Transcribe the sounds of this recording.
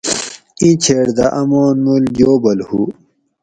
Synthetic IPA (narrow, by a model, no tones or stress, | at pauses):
ĩt͡ɕʰeːɽd̪aʔɐmoːnmuljoːbɐlhu